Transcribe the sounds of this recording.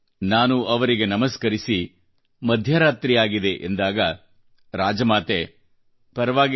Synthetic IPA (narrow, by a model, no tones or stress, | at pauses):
naːnuɐʋɐɾiɡe̞nɐmɐskɐɾisi | mɐd̪ʱjɐɾaːt̪ɾijaːɡid̪e̞ʔend̪aːɡɐ | ɾaːd͡ʒɐmaːt̪e | pɐɾɐʋaːɡ